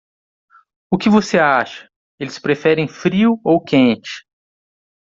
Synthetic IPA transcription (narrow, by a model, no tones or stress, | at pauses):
ʊkɪvoseaʃɐ̥ | elɪspɾefɛɾẽj̃fɾiʊowkẽnt͡ʃɪ̥